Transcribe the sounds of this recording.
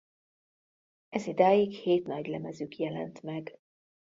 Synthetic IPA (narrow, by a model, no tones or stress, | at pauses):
ɛzid̪aːjikheːt̪nɒɟlɛmɛzykjɛlɛ̰nt̪mɛɡ